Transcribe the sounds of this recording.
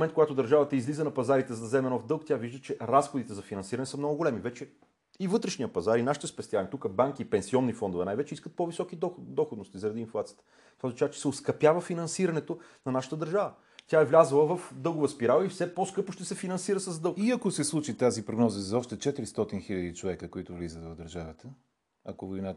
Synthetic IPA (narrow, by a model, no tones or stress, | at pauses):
mɛnt̪̚koɡat̪ʊd̪ɐɾʒavət̪əizlizənɐpɐzaɾit̪ɛzzɛmɛnofd̪ɤlˠkt̪ʲaviʒd̪ət͡ʃɛɾasxod̪it̪ɛzɐfinɐ̃nsiɾɐnɛsəmnɔɡʊɡolɛmivɛt͡ʃɛ | ivɤt̪ɾɛʃnijəpɐzaɾinaʃit̪ɛspɛst̪ianʲit̪ukəbaŋkiːpɛnsiɔnːifɔnd̪ʊvɛnajvɛt͡ʃɛiskət̪̚povisɔkid̪ɔxod̪nost̪izɐɾɐd̪iːnflˠat̪sijə̥t̪ə̥ | t̪ovaznɐt͡ʃavət͡ʃɛ̥sɛot̪skɐpjavəfinɐnsiɾɐnɛt̪onɐnaʃə̥t̪əd̪əɾʒavə | t̪ʲaɛvlʲazəlˠəvɐfd̪ɤlˠɡʊvəspiɾalˠifsɛposkɤpʊʃt̪ɛsɛfinɐnsiɾəsɐzd̪ɤlˠɡiɐkosɛslˠut͡ʃit̪azipɾoɡnɔzəzɐɔʃt̪ɛt͡ʃɛt̪iɾist̪ɔt̪inxiʎʲəd̪it͡ʃovɛkəkoit̪ʊvlizət̪vɐvd̪əɾʒavət̪ə | ɐkovoina